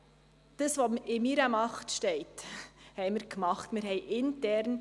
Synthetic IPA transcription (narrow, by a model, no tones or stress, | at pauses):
d̥əsʋomɪmiɾəmɑχtʃtɛɪthɛɪmɪɾkmɑχtmɪɾɦɛɪʔɪntɛɾn